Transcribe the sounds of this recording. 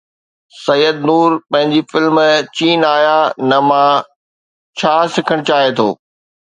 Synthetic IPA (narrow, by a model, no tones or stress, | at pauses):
sɐjəd̪nuːɾpɐ̃ɦɪ̃ɲd͡ʑifɪlmt͡ɕiːnaːjanɐmã | t͡ɕʰaːsɪkʰəɽ̃t͡ɕaːɦet̪ʰo̰ː